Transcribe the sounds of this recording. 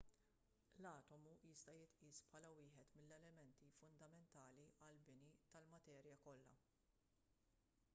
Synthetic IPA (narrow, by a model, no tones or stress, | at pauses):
lɐːt̪ɔmujɪst̪ɐjɪt̪ʔiːspħɐːlɐwɪːħɛt̪mɪlːɛlɛmɛnt̪ifʊnd̪ɐmɛnt̪ɐːliʔɐlbɪnit̪ɐlmɐt̪ɛːɾjɐkɔlːɐ̰